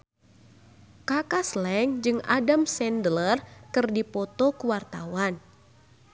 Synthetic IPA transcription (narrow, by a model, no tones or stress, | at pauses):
kakaslɛŋd͡ʒɨŋa̰damsɛndlərkɨrdipɔt̪ɔkuwart̪a̰wan